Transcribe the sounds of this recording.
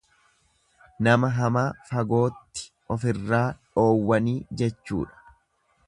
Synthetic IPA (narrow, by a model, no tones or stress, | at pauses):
nɐmɐɦɐmaːfɐɡo̞ːt̪ːɪ̥ | ɔfɪrːaːᶑo̞ːwːɐniːd͡ʒɛt͡ʃːṵːᶑɐ̥